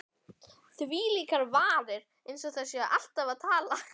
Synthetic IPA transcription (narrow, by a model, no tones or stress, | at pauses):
θviːliːkaɾvaːɾɪɾ | ejnsɔɣθɛsjɛʔal̥t̪avaðt̪ʰaːla